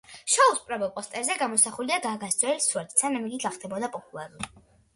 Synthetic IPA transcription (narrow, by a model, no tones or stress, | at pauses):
ʃauspʼɾɔbɛlˠpʼɔst̪ʼɛɾzɛɡamɔsaχuliaɡaːɡast̪sʼwɛlsuwɛɾt̪sanamiɡik̪aχd̪ʰɛbɔd̪apʼɔpʼulˠaɾuli